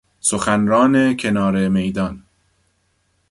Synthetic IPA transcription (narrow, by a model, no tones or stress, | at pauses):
soxænɾɒːnecʰe̞nɒːɾeme̞jd̪ɒn